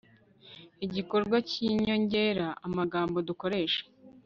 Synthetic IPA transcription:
iɟiko̞ɾɡwaciɲo̞ɲɟe̞ɾaːmaɡaːmbo̞duko̞ɾe̞ːʃḁ

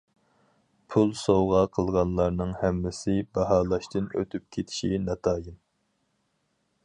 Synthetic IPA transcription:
pʰulˠsowʁɑqʰəlˠʁɑnlˠɑɾnɨŋhɛmːɪsɪbɑɦɑːlˠɑʃt̪ɨnø̰t̪ʰyp̚kʲʰet̪ʰɪ̥ʃinɑt̪ʰɑːjin

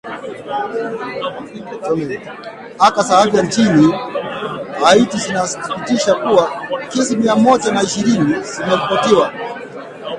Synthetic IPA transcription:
akasaavjant͡ʃini | haitizinasi̥i̥kitiʃakuakɛsimiamɔʄanaiʃiɾinizimɛlipɔtiwa

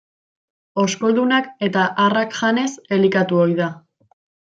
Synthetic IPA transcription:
o̞sko̞ld̪unake̞t̪aʔarakʝane̞se̞likat̪uo̞jða

